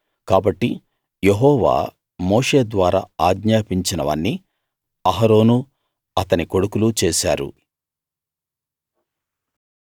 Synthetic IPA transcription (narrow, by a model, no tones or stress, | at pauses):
kaːbɐʈːi | jeɦɔːʋa̰ː | mo̞ːʂe̞ːd̪ʋaːɾa̰ːaːɡɲaːpiɲt͡ʃinɐʋɐ̰nːi | ɐɦɐɾo̞ːnu | ɐt̪ɐniko̞ɽukulut͡ʃeːʃa̰ːɾṵ